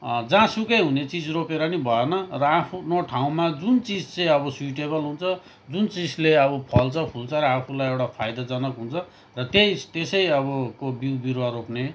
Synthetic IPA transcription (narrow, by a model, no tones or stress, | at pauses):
d͡zãsukʌjɦunet͡sid͡zropeɾʌnibʱʌenʌrʌapʰunʌʈʰaw̃mad͡zunt͡sid͡zt͡sʌ̃j̃ʌbʌswiʈebʌlɦunt͡sʰʌ | d͡zunt͡sid͡zleʌbʌpʰʌlt͡sʰʌpʰult͡sʰʌɾʌapʰulajewʈapʰajd̪ad͡zʌnʌkɦunt͡sʰʌ | rʌt̪ejt̪esʌjʌβʌkobiwbiɾwaɾopne